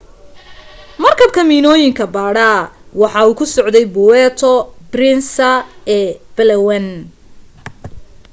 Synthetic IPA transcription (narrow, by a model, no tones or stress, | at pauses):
mɐrkʰɐb̚kʰɐmiːnɔːjɪŋkʰɐbaːɽɐwɑħɑːuːkʰʊsɔʕd̪ɛjbʊwɛːt̪ʰɔbrɪnsɐɛːb̥ɛlɛwɛn